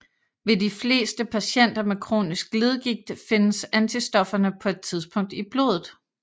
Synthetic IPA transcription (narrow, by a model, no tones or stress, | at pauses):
ʋe̝difle̝̰ːsd̥əpʰæɕen̰d̥ɐmekʰʁo̝̰ːnisɡ̥le̝ð̞ˠɡ̥iɡ̥̚d̥fe̝nəsænt͡sʰisd̥ɒ̽fɐnəpʰɒ̽e̝d̥̚t͡sʰið̞ˠsb̥ʰɔ̽ŋ̰d̥ib̥lo̝̰ːðˠð̩ˠ